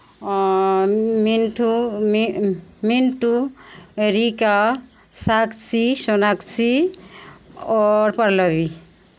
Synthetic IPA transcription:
minʈu | minʈueɾika | saksisɔnaksi | ɔɾpəɾləbi

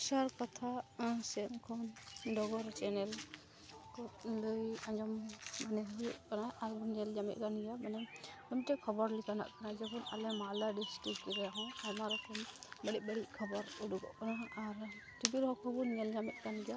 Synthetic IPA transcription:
saɾkɔt̪ʰasɛmkʰɔnɖɔɡɔɾt͡ʃɛnɛl | kɔləjad͡ʒɔmmanɛɦuʔkanaʔalbɔnɲɛld͡ʒamɛ̰ʔ̚kanɡijamanɛ | ɔmʈɛkʰɔbɔɾlikʰana̰ʔkanad͡ʒɔkʰɔna̰lɛmalaɖisʈɾikːiɾɛɦɔ̃ajmaɾɔkɔmbəɽiʔ̚bəɽiʔkʰɔbɔɾuɖuɡɔ̰ʔkanaaɾʈibiɾɦɔkʰɔbɔnɲɛld͡ʒamɛ̰t̪̚kanɡija

